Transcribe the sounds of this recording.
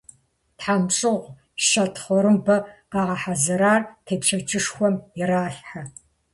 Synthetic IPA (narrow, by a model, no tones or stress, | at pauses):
tħamɕʼɨʁʷ | ʃɐtʰχʷɔɾɨmbɐqɑːʁɐħazɐɾaːrtʰeːpʂʰɐt͡ʃʰʼɨʂxʷɔmjɪraːɬħa